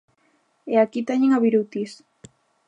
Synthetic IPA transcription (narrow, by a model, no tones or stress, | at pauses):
eakit̪aɲeŋaβiɾut̪is